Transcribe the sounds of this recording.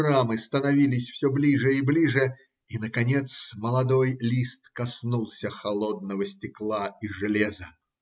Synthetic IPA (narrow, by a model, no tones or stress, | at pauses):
ramɨst̪ənɐvʲilʲɪsʲfsʲɵblʲiʐɨɪblʲiʐɨ | inəkɐnʲe̞t̪sməlˠɐd̪o̞jlʲist̪kɐsnulˠsʲəxɐlˠod̪̚nəvəsʲtʲɪklˠaiʐɨlʲezə